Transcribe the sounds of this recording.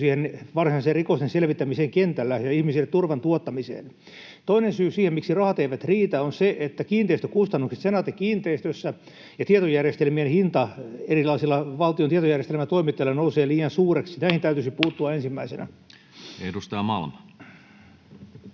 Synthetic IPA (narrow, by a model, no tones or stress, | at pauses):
siːhenʋɑrsinɑˑiserrikost̪enselʋit̪ːæmiseːŋkent̪ælːæjɑihmisilːet̪ːurʋɑnt̪uot̪ːɑmisḛːn | t̪oinensyːsiːhemmiksirɑhɑt̪eiʋæt̪riːt̪æonseʔet̪ːækiːnt̪eist̪ø̥kust̪ɑnːukse̥t̪senɑt̪ekkiːnt̪eist̪øsːæ | jɑt̪iet̪ojærjest̪elmienhint̪ɑerilɑisilːɑʋɑlt̪ijont̪iet̪ojærjest̪elmæt̪oimit̪ːelːɑnouseːliːjɑnsuːreksinæihint̪æyt̪ysipuːt̪ːuɑensimːæisenæ̰ | edust̪ɑjɑmɑ̰lmɑ